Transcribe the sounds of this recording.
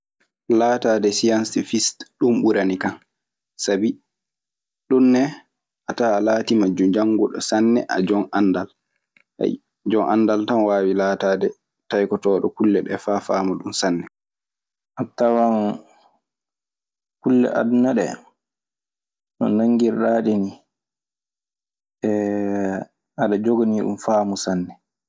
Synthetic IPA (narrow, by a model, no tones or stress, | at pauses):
laːtaːdɛsiansfistɗumɓuɾanikan | sabi | ɗunːɛ | ʔatalaːtimad͡ʒːud͡ʒaŋɡɔɗɔ̰sanːɛ̰ʔa̰d͡ʒɔŋʔandal | a̰j | d͡ʒɔŋʔa̰ndaltanwaːwilaːtaːdɛ | tajkɔtɔːɗɔkulːɛɗɛfaːfaːmaɗumsanːɛ | ʔatːawam | kulːɛ̰ʔa̰dunaɗɛ̰ | nɔ̰naŋɡiɾːaːɗini | ɛ | aɗad͡ʒoɡoniɗṵmfaːmusanːɛ